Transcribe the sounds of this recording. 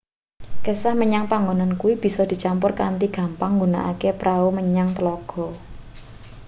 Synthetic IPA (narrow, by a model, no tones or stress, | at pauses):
kəsahməɲaŋpaŋɡonankuwib̥i̤sɔd̪̥i̤t͡ʃampʊrka̰nt̪iɡ̥ä̤mpaŋːɡona̰ʔa̰kepɾʔauməɲaŋt̪əlɔɡ̥ɔ̤